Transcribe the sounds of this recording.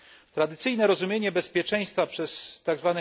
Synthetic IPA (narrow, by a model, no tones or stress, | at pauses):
t̪ɾad̪ɘt̪sɘjnɛɾɔzumʲjeɲɛbɛspʲjɛt͡ʂɛj̃st̪fapʂɛst̪aɡzvanɛ